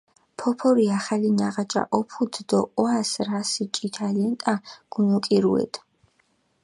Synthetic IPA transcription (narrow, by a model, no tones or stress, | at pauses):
pʰɔpʰɔɾiaχalinaʁat͡ʃʼa̰ʔɔpʰud̪d̪ɔɔasɾasit͡ʃʼit̪ʰalɛnt̪ʼaɡ̥unukʼiɾuɛ̰t̪ʰʼ